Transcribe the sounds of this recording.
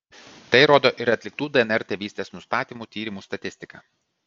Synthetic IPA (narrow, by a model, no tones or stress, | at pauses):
t̪ɐɪɾoːd̪oːʔɪɾɐt̪ʲlʲɪkt̪uːd̪ɛɛnɛɾʲt̪ʲeːʋʲiːsʲt̪ʲeːsnʊst̪ɑːt̪ʲiːmuːt̪ʲiːɾʲɪmuːst̪ɐt̪ʲɪsʲt̪ʲɪkɑ̰ː